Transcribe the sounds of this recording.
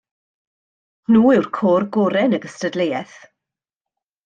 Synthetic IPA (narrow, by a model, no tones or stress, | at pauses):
nuːɪwrkʰoːrɡɔɾɛnəɡəstədlejɛθ